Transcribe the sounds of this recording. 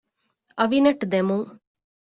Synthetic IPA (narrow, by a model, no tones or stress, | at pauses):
ɐʋinɐʈd̪emuŋ